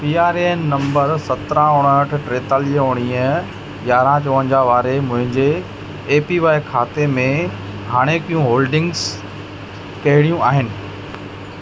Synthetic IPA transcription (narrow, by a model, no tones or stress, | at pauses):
piːaːɾeːnːɐ̃mbəɾsɐt̪ɾãʊɽ̃ɦəʈʰʈɾeːt̪aːliəɦoːɽ̃iːə | ɡaːɾãt͡ɕoːʋə̃ɲd͡ʑaʋaːɾemʊ̃ɦɪ̃ɲd͡ʑeː | piʋaːekʰaːt̪emẽ | ɦaːɽ̃ekijũɦoːlɖɪ̃ŋɡz | kɐɦɪɽ̃ijũaːɦɪnɪ̆